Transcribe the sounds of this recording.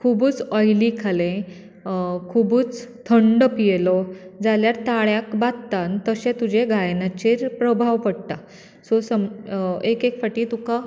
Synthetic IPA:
kʰubuːt͡sɔjlikʰalẽ | kʰubuːt͡st̪ʰəɳɖəpijelɔd͡zaljaɾt̪aɭjakbat̪t̪ant̪əɕẽt̪ud͡ʑeɡʱajnat͡ɕeɾpɾəbʱaʋpəɽt̪a | sɔsəmekekfəʈiːt̪uka

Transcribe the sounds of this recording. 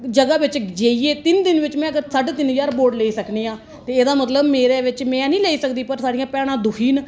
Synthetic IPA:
d͡ʒəɡaːʋɪt͡ʃd͡ʒeːiːeːt̪ɪnd̪ɪnʋɪt͡ʃmɛ̃ːəɡəɾsəʈt̪ɪnɦəd͡ʒaːɾboːɾɖleːiːsəkneːãː | t̪eːeːd̪aːmət̪ləbmeːɾeːʋɪt͡ʃmɛ̃ːnĩːleːiːsəkd̪iːpəɾsaːɽijãːpɛːɽ̃ãːd̪ʊkʰiːn

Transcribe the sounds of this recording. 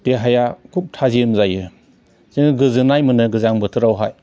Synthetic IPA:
d̥eɦajakʰup̚tʰaziɯmzajɯ | ziŋɡɯzɯnajmɯnɯɡɯzaŋbɯtʰɯɾawɦaj

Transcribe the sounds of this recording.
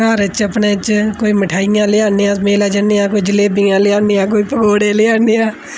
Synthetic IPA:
aːɾət͡ʃəpneːt͡ʃkoːiːməʈʰaːɪjãːlɪjaːnɪjãmeːlaːd͡ʒənɪjãːkoːiːd͡ʒɪleːbɪjãːlɪaːnɪjãːk̬oːiːpəɡoːɽeːlɪaːnɪjãː

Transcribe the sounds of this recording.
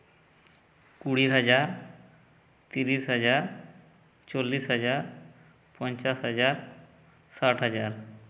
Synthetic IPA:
kuɽiːɦəd͡zaɾ | t̪iɾiːsɦəd͡zaɾ | t͡ɕolːiːsɦəd͡zaɾ | pənt͡ʃasɦəd͡ʑaɾ | saʈɦəd͡ʑaɾ

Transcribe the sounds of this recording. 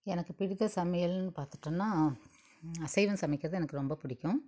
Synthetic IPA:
ɛnɐkːɯpɪɽɯðɐsɐmɐjɐlnɯpaːɾt̪ɯ̥ʈːɐnːaː | ɐsɐɪʋɐnsɐmɪkːɪɾɐðɯɛnɐkːɯɾɔmbɐpʊɽɪkʲːʊ̃

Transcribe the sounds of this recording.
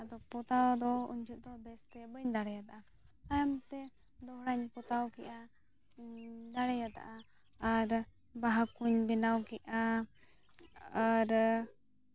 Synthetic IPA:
d̪ɔpɔt̪awd̪ɔṵɲd͡ʒuʔ̚d̪ɔbɛst̪ɛbəɲd̪aɽɛjat̪aʔa | ajamt̪ɛ | d̪ɔɦɽaɲpɔt̪awkɛʔa | d̪aɽɛjat̪a̰ʔaː | ɾ | baɦakuɲbɛnawkɛʔa | aɾ

